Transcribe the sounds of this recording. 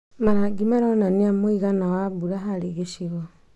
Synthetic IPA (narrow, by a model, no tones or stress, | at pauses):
maɾaɡimaɾɔnaniamoiɣanawaβuɾaɦaɾeɣeʃiɣɔ